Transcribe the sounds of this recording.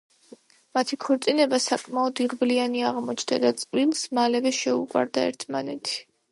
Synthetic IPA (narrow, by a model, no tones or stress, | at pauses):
mat̪ʰikʰɔɾt̪sʼinɛbasakʼmaɔd̪iʁblianiaʁmɔt͡ʃʰnd̪ad̪at̪sʼqʼvwilˠsmalɛvɛʃɛuqʼwa̰ɾd̪aɛ̰ɾt̪ʰmanɛt̪ʰi̥